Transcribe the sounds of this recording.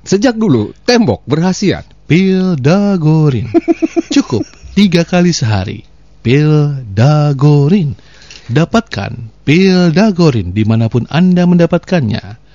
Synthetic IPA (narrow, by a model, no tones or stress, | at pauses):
səd͡ʒak̚dulut̪ɛmbɔ̰k̚bərɦasia̰t̪̚pildaɡoɾɪ̰nt͡ʃukʊp̚t̪iɡakalisəɦa̰ɾḭ | pildaɡoɾɪn | dapat̪̚ka̰npildaɡoɾɪndimanapʊna̰ndaməndapat̪̚kanɲa̰